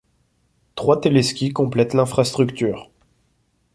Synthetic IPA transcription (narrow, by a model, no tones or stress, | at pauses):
t̪χwat̪eleskʲikɔ̃plɛt̪lɛ̃fχast̪χykt̪yːʁ